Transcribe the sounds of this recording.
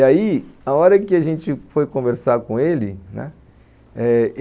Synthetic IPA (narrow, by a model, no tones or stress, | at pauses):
aiaɔɾɐkɪaʒẽt͡ʃɪfojkõveɾsaɾkõelɪnɛ̰̃ | ɛ